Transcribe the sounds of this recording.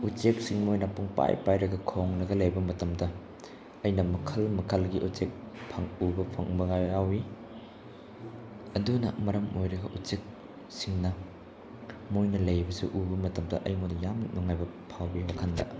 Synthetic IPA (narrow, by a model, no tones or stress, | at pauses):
ut͡ʃek̚siŋmojnɐpuŋpa̰jpajɾɐɡɐkʰoŋnɐɡɐlɐjbɐmɐtɐmdɐ | ɐjnɐmɐkʰɐlmɐkʰɐlɡiʔut͡ʃek̚ | pʰɐŋubɐpʰɐŋbɐɡaawi | ɐdunɐ̰mɐɾɐmojɾɐɡɐʔut͡ʃek̚ | siŋnɐ | mojnɐlɐjbɐsuʔubɐmɐtɐmdɐʔɐjmodɐjamnɔŋajbɐpʰawbiwakʰandɐ̰